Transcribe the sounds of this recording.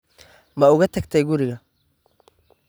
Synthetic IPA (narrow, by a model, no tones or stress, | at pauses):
mɐʊɣɐt̪ʰɐɡ̚t̪ʰɛjɡʊɾɪɣɐ